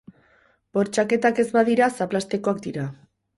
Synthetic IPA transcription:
b̥o̞ɾt͡ʃake̞t̪ake̞zbaðiɾasaplast̪e̞ko̞ak̚d̪iɾa

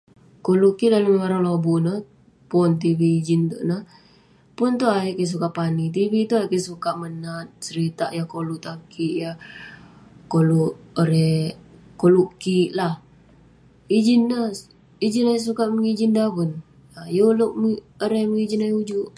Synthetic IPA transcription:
koluʔkiʔdalaməmaɾaŋlobunəh | pɔnt̪̬iwiːd͡ʒint̪unəh | pʊnt̪uajeʔkis̬ukaʔpanit̪̬iwit̪uajʔkisukaʔmənat̪̚səɾit̪aʔjakoluʔt̪akiʔja | koluʔoɾɛ | koluʔkiʔlah | id͡ʒinːə | id͡ʒinajas̬ukaʔməŋid͡ʒindapun | ajoluʔm | əɾɛməŋid͡ʒinajud͡ʒuʔ

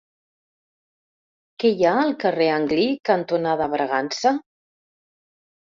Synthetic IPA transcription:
kɛjaəlˠkəreəŋɡlikənt̪unaðəβɾəɣansə

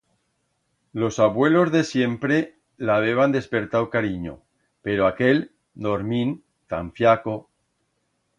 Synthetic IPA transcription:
lo̞saβwe̞lo̞zðe̞sje̞mpɾe | laβ̞eβ̞and̪e̞spe̞ɾt̪awkaɾiɲo̰ | pe̞ɾoake̞l | d̪oɾmĩn | t̪a̰ɱfjako

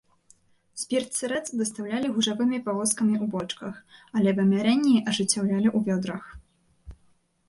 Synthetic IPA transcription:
sʲpʲirt̪sɨɾɛt̪sd̪ɐst̪awlʲalʲiɣuʐavɨmʲipavɔskɐmʲiubɔt͡ʂkɐxalʲɛbɐmʲaɾɛnʲːiʔɐʐɨt͡sʲːawlʲalʲiʔuvʲɔd̪ɾɐx

